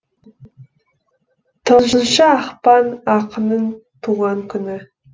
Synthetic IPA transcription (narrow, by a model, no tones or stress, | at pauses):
t̪ʰonzənʃəɑχpɑnɑqənənt̪ʰuʁɑŋkʰʲʏnɪ